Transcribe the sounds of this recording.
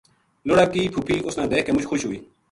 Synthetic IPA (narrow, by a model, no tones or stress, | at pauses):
noɽaːkiːpʰupʰiːʔʊsnãːd̪eːkeːmʊt͡ʃxʊʃɦoːiː